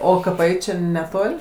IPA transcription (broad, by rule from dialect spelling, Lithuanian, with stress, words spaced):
ˈoː kɐˈpɐɪ t͡ʃʲɛ nʲɛˈtoːlʲ